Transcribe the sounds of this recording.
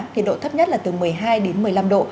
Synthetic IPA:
ŋŋɲi˨˩ɗo̰˧˨t̪ə˦˥p̚ɲə˦˥t̚laː˨˩t̪ɨ˨˩mɨ˨˩əjɦaː˧jɗe˨˦nmɨ˨˩əjla˧mɗo̰˧˨

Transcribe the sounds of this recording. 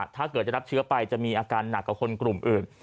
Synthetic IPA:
t̪ʰaː˥˩kɤː˨˩t̪̚t͡ɕa˧˩ɾa˦˥t͡ɕʰɯː˦˥ɐpa˧jt͡ɕa˨˩ʔmiː˧ʔaː˧kaː˧nːa˨˩k̚ːa˨˩kʰo˧nklu˨˩mʔɯː˨˩n

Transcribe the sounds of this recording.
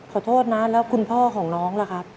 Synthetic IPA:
kʰɔː˨˩t̪ʰoː˥˩t̪̚na˦˥lɛː˦˥wkʰu˧npʰɔː˥˩kʰɔː˩˦ŋnɔː˦˥ŋla˧˩kʰa˦˥p̚

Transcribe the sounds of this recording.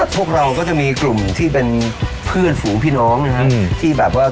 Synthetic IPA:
pʰu˥˩ək̚ɾa˧wkɔː˥˩t͡ɕa˨˩ʔmiː˧klu˨˩mt̪ʰiː˥˩pe˧npʰɯ˥˩ənfuː˩˦ŋpʰiː˥˩nɔː˦˥ŋna˧kʰa˦˥t̪ʰiː˥˩bɛː˨˩p̚waː˥˩

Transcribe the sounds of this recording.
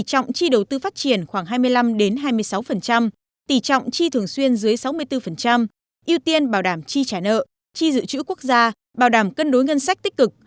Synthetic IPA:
t͡ɕɔ̰˧˨wŋ͡mt͡ɕi˧ɗə˨˩wt̪ɨ˧faː˦˥t̚t͡ɕi˧˩ənxwaː˧˩ŋɦaː˧jmɨ˧əjla˧mɗe˨˦nɦaː˧jmɨ˧əjsa˨˦wfə˨˩nt͡ɕa˧m | t̪i˨˧˩t͡ɕɔ̰˧˨wŋ͡mt͡ɕi˧t̪ʰɨ˨˩əŋswi˧ənzɨ˨˦əjsa˨˦wmɨ˧əjt̪ɨ˧fə˨˩nt͡ɕa˧m | ʔi˧əwt̪i˧ənɓaː˧˩wɗaː˧˩mt͡ɕi˧t͡ɕaː˧˩nə̰ː˧˨ | t͡ɕi˧zɨ̰˧˨t͡ɕɨ̰˧˥ku˦˥ək̚zaː˧ | ɓaː˧˩wɗaː˧˩mkə˧nɗo˨˦jŋə˧nsa˦˥k̚t̪i˦˥k̟̚kɨ˨˩k̚

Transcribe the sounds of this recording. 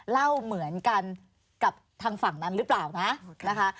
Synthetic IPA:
la˥˩wmɯ˩˦ənka˧n | ka˨˩p̚t̪ʰaː˧ŋfa˨˩ŋna˦˥nɾɯ˦˥plaː˨˩wna˦˥ʔna˦˥kʰa˦˥

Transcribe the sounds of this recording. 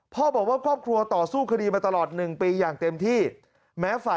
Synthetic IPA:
pʰɔː˥˩bɔː˨˩k̚waː˥˩kʰɔː˥˩p̚kʰɾu˧ɐt̪ɔː˨˩suː˥˩kʰa˧diː˧maː˧t̪a˧lɔː˨˩t̪̚nɯ˨˩ŋpiː˧jaː˨˩ŋt̪e˧mt̪ʰiː˥˩ | mɛː˦˥faː˨˩

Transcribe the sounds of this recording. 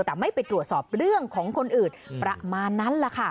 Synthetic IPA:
t̪ɛː˨˩ma˥˩jpa˧jt̪ɾu˨˩ət̪̚sɔː˨˩p̚ɾɯ˥˩əŋkʰɔː˩˦ŋkʰo˧nʔɯː˨˩n̚pɾa˧maː˧nːa˦˥nla˨˩kʰa˥˩

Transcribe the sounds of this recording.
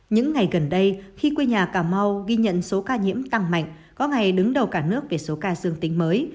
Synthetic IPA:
ɲɨ̰˧˥ŋːa˨˩jɣə˨˩nɗə˧jxi˧kwe˧ɲaː˨˩kaː˧˩ma˧wɣi˧ɲə̰˧˨nso˨˦kaː˧ɲḭ˧˥əmt̪a˧ŋma̰˧˨jŋ̟ | kɔ˨˦ŋa˨˩jɗɨ˨˦ŋɗə˨˩wkaː˧˩nɨ˦˥ək̚ve˨˩so˨˦kaː˧zɨ˧əŋt̪ï˨˦ŋ̟məː˨˦j

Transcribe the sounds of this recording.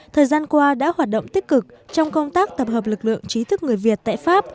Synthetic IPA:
t̪ʰəː˨˩jzaː˧nkwaː˧ɗa̰ː˧˥hwaː˨˩t̚ɗə̰˧˨wŋ͡mt̪i˦˥k̚kɨ˨˩k̚t͡ɕɔ˧wŋ͡mkə˧wŋ͡mt̪aː˦˥k̚t̪ə˨˩p̚həː˨˩p̚lɨ˨˩k̚lɨ̰˧˨əŋt͡ɕi˨˦t̪ʰɨ˦˥k̚ŋɨ˨˩əjvi˨˩ət̚t̪a̰ː˧˨jfaː˦˥p̚

